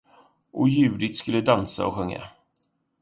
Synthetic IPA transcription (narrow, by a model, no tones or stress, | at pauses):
ʔɔjʉ̟ːd̪ɪt̪skɵlːəd̪ansa̰ɔɧɵŋːa̰